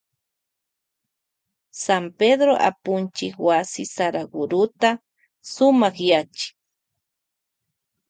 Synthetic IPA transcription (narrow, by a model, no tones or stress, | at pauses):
samped̪ɾoʔa̰pʊnt͡ʃɪkwasɪsaɾaɡʊɾʊt̪a | sʊmaχjat͡ʃɪ̥